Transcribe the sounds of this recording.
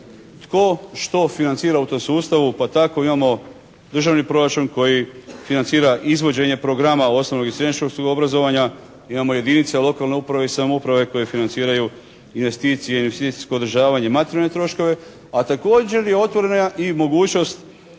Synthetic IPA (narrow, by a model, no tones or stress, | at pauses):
t̪ko̞ʃt̪o̞finant̪siːɾaut̪o̞msuːst̪aʋupat̪ako̞imamo̞ | d̪r̩ʒaʋnipɾo̞ɾat͡ʃuːnko̞jifinant̪siːɾaʔizʋo̞d͡ʑe̞ɲe̞pɾo̞ɡɾamao̞sno̞ʋno̞ɡisɾenit͡ʃkoksuɡobɾazo̞ʋaɲa | imamo̞je̞d̪init̪selo̞kalne̞upɾaʋe̞isamoupɾaʋe̞ko̞jefinant̪siːɾaju | inʋe̞st̪iːt̪sijeinʋest̪it̪i̥sko̞ːd̪ɾʒaːʋaɲe̞mat̪eɾjalnet̪ɾo̞ʃko̞ʋe̞ | at̪ako̞ːd͡ʑe̞ɾje̞o̞t̪ʋo̞ɾe̞naaʔimo̞ɡuːt͡ɕno̞st̪